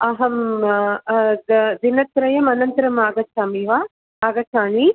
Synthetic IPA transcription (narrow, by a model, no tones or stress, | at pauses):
ɐɦɐm | d̪ɐd̪inɐt̪ɾɐjɐmɐnɐnt̪ɐɾɐmaːɡɐsaːmiːʋaː | aːɡɐt͡ʃʰaːni